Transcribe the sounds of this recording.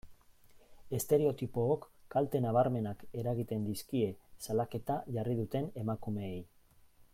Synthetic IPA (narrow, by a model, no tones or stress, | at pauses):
est̪e̞ɾe̞o̞t̪ipo̞ːkːalt̪e̞naβ̞aɾme̞nake̞ɾaɣit̪e̞nd̪iskie̞salake̞t̪aʝarið̞ut̪e̞ne̞makume̞ːj